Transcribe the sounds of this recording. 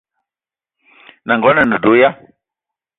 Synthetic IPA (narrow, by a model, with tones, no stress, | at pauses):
na˨ŋɡɔ˨˦na˨ndə˨du˨˦ja˦